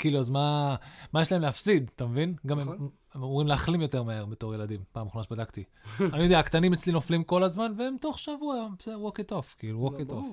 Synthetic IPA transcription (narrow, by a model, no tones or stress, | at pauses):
kiːluazmamajeʃlaemleafsid̪t̪amevinɡamem | emamuʁimleaχlimjo̞te̞ʁmaeʁbeto̞ʁje̞lad̪impaːmχnaʃbadakt̪i | anijo̞deaːkt̪animet͡slino̞flimko̞lazmanveemt̪o̞χʃavuabsedwoketofkiːluwokit̪of